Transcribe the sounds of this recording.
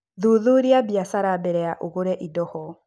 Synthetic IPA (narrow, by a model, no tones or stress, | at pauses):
ðuðuɾiabjasaɾabɛɾɛaʔoɣoɾɛʔidɔhɔ